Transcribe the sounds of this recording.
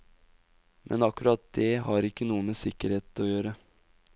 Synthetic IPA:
mʔɛ̰nɑkʉɾɑt̪̚d̪ɛɦɑɾɪkːənuːəmesɪkəɾheːt̪ɔjøːɾə

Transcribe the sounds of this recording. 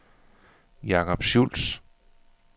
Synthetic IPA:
jɑ̈kʰɒb̥ɕuls

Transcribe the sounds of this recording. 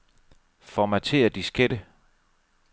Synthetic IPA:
fɒmæt͡sʰe̝̰ɐd̥isɡ̥ed̥ə

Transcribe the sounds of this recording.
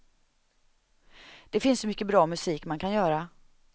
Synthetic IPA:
d̪̥ɛfɪnsːɔmʏkːəbɾɑːmɵsiːkmankʰanjœːɾa

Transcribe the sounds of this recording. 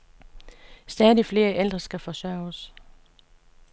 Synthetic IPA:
sd̥ɛðˠifle̝ːɐʔeld̥ʁɐsɡ̥æfɒ̽sɶ̰ʊs

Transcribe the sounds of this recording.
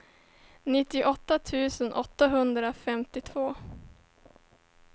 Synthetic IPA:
nɪt̪ːɪʔɔt̪ːat̪ʰʉ̟ːsənʔɔt̪ːaɦɵnd̪ɾafɛmt̪ɪt̪ʰvoː

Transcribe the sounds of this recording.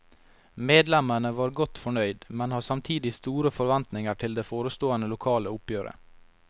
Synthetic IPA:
meːd̪lɛməɳəʋɑːɾɡɔt̪fɔɳœʏd̪mɛnhɑːsɑmt̪ʰiːd̪ɪst̪uːɾəfɔɾʋɛnt̪nɪŋəʈʰɪld̪eːfoːɾəst̪oːənəlʊkʰɑːləʊpjøːɾə̰

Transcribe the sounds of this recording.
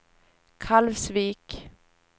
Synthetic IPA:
kʰalvsviːk

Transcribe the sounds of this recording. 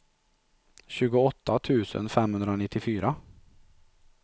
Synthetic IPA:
ɕʉːɡʊɔt̪ːat̪ʰʉːsə̰nfɛmhʉnd̪ɾəoːnɪt̪ɪfyːɾa

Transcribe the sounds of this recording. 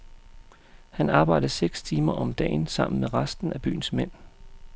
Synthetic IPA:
hænɑ̈ːb̥ɑ̈ɪ̰d̥ð̩ˠseɡ̥st͡sʰiːmɐʔɒ̽md̥ɛ̰ːnsɑ̈m̰n̩meʁɑsd̥n̩æb̥y̰ːn̩smen̰

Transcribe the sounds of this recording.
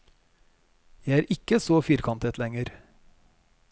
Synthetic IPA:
jæɪæːɾʔɪkəsoːfiːɾkʰɑnt̪ʰɛt̪lɛŋəɾ

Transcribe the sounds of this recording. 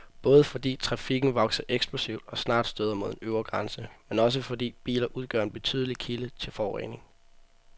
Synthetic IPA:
b̥ɔ̽ːð̞ˠəfɒ̽d̥ḭːt͡sʰʁɑ̈fiɡ̥n̩ʋɒ̽ɡ̥sɐʔeɡ̥sb̥lusiʊ̰d̥ɒ̽snɑ̰̈ːd̥sd̥øːð̞ˠɐmo̝ð̰ˠenøʊɐɡ̥ʁɑnsəmenɒ̽s̬əfɒ̽d̥ḭːb̥ḭːlɐʔuð̞ˠɡ̥ɶɐe̝nb̥e̝t͡sʰy̰ːðˠlikʰilət͡sʰe̝lfɒːʁɛ̰ne̝ŋ

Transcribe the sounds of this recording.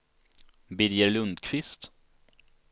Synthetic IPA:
bɪɾjəɾlɵnd̪kʰvɪst̪

